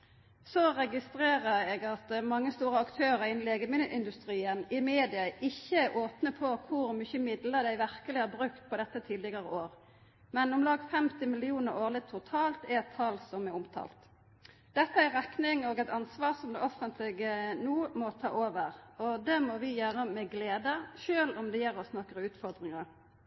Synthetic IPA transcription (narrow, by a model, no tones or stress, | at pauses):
sɔʁɛɡɪst̪ɾeːʁəɾɛɡɑt̪mɑŋːəst̪uːɾəɑkt̪ʰøːɾəɾɪnːleːɡəmɪlːəʔɪnd̪ʉst̪ɾiːənɪmeːd̪ɪɑʔɪçːəʔoːpnəpʰɔkʰʊɾmʏçəmɪd̪ləd̪æɪʋæʁkəlɪhæːbʁʉkt̪̚pʰɔd̪ɛt̪ːət̪ʰiːd̪lɪɡɑʁəʔoːɾ | mɛnɔmlɑːɡfɛmt̪ɪmɪlɪuːnəɾoːʁlɪɡt̪ʰʊt̪ʰɑːlt̪ɛɛt̪ʰːɑlsɔmɛʊmt̪ʰɑ̰ːlt̪ | d̪̥ɛt̪ːəæɾʁæknɪŋoːɡɛt̪ɑnsʋɑːʁsɔmd̪ɛɔfənt̪ʰlɪɡənuːmɔt̪ʰɑ̰ːʔoːʋəʁɔd̪ɛmɔʋɪjøːɾəmɛɡleːd̪əʃøːlɔmd̪ɛjæɾɔsnɔkːəʁʉːt̪fɔʁd̪ʁɪŋɑɾ